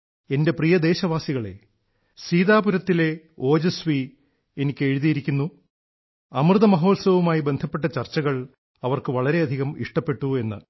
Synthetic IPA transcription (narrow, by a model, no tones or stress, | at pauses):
e̞nde̞prijɐd̪e̞ːɕɐʋaːsiɣɐɭe̞̰ | siːðaːpuɾɐt̪ːile̞ | o̞ːd͡ʑɐsʋi | enikʲːe̞ɻuðijiɾikʲːunːu | ɐmrɨðɐmɐɦo̞ːlsɐʋumaːjibe̞nd̪ʱɐpːe̞ʈːɐt͡ɕɐrt͡ɕːɐɣɐɭ | ɐʋɐrkɨʋɐɭɐɾe̞ɐd̪ʱiɣɐmḭʂʈɐpːe̞ʈːue̞nːɨ̰